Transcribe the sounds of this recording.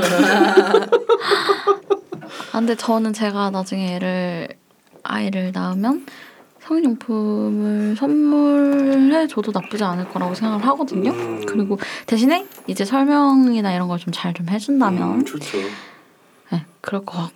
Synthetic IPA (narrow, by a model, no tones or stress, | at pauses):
ande̞t͡ɕʌnɯnt͡ɕe̞ɡanad͡ʑuŋeeɾɯɭ | a̰iɾɯɭnaɯmjʌn | sʰʌŋiɲoŋpʰumɯɭsʰʌnmːuɭɦe̞t͡ɕodonap͈ud͡ʑianɯɭk͈ʌɾaɡosʰe̞ŋɡaɡɯɭɦaɡʌdɯɲokɯɾiɡote̞ɕʰine̞id͡ʑe̞sʰʌɭmjʌŋinaiɾʌnɡʌɭt͡ɕomt͡ɕaɭt͡ɕomɦed͡ʑundamjʌnʰ | je̞kɯɾʌkʰʌbak